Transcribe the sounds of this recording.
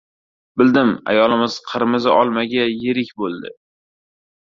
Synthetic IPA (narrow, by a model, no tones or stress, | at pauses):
bɪld̪ɪma̰jɒlˠɪmɪz̥qʰɨɾmɪzɪʔɒlˠmaɡʲajeɾɪkʲbolˠd̪ɪ̰